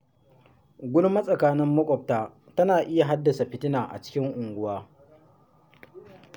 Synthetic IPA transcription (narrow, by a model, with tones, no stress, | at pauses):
ɡʷʊ˦lmɐ˦sʼɐ˨kaː˦nɪ˦mːɐ˦kʷʼɔ˨p̚taː˦ | tɐ˦naː˨ʔɪ˦ja˨ɦa˦dːɐ˨sa˨ɸɪ˦tɪ˦naː˨ʔa̰˨t͡ʃɪ̥˦kʲɪ˦ŋʔʊ˨ŋɡʷʊ˦waː˦